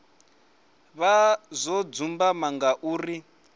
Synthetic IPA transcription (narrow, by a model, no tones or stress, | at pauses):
βazʷɔd͡zumbamaŋɡaʔuːri